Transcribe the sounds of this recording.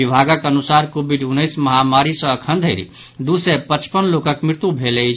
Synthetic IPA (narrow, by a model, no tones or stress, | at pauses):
ibʱaɡəkənusaɾkobʱiɖunːəjsməɦamaɾisə̃ːkʰənd̪ʱəɪɾḭ | d̪usepət͡ʃpənlokəkmɾɪɾt̪ubʱelɛt͡ʃʰ